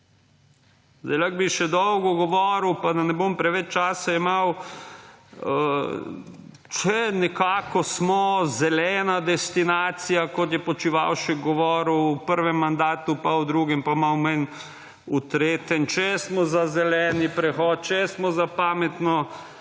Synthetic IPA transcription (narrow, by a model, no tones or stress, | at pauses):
zd̪ɛlaɡ̚biʃɛd̪ɔwɡɔɡɔʋɔːɾwpad̪anɛbompɾɛʋɛt͡ʃt͡ʃaːsaimaw | ə | t͡ʃɛnɛkaːkɔsmɔzɛlɛːnad̪ɛst̪inaːt̪sijakɔt̪̬jɛpɔt͡ʃiʋa̰wʃɛk̚ɡɔʋɔːɾwːpəɾʋɛmːand̪aːt̪upawd̪ɾuːɡɛmpamawmɛn | ut̪ɾeːt̪ɛnt͡ʃɛɛsmɔzazɛlɛːnipɾɛxɔt̪̚t͡ʃɛɛsmɔzapaːmɛt̪nɔ